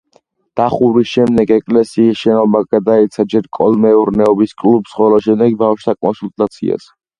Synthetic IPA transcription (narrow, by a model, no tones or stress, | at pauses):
d̪̥aχuɾisʃɛmd̪ɛɡɛkʼlɛsiːsʃɛnɔbaɡad̪ait̪sʰad͡ʒɛɾkʼɔlmɛuɾnɛɔbiskʼlubsχɔlɔʃɛmd̪ɛɡbafʃt̪ʰakʼɔnsult̪ʼat̪sʰḭa̰s